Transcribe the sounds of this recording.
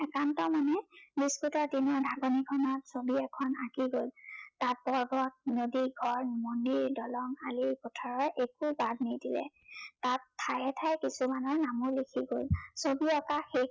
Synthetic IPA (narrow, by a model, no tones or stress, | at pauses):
ɛkantɔmanɛbiskutaɹdinɔɹdʱaɡɔnikʰɔnɔtsobiɛkʰɔnakiɡoltat̚bɔɹbɔk̚zodiɡʱɔɹmɔndiɹdɔlɔŋalipɔtʰɔɹɔɹʔekubadnidilɛ̰ | tatʰːajɛtʰajkisumanɔɹnamʊlikʰiɡolsobiɔkaxe